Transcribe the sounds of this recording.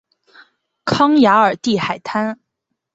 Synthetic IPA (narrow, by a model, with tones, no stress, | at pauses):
kʰɑ˥ŋja˧˥ə˞˨˩t̪i˥˩xa˨˩ɪt̪ʰa˥n